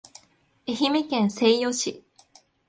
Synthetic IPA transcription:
eçimekẽñse̞ijo̞ɕi

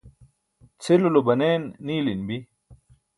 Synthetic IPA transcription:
t͡sʰelulobɐneːnːiːlinbi

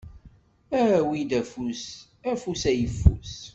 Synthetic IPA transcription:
æwid̪æfus | æfusæjəfːṵs

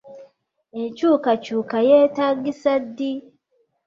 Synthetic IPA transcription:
ent͡ʃukat͡ʃuːkajetaɡisadi

